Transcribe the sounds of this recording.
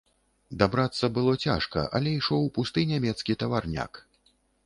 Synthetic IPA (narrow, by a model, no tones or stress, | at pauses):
d̪abɾat̪sːɐbɨlˠɔt͡sʲa̰ʂkɐ̰ʔɐ̰lʲɛiʂɔwpust̪ɨnʲamʲɛt̪skʲit̪ɐvarnʲa̰k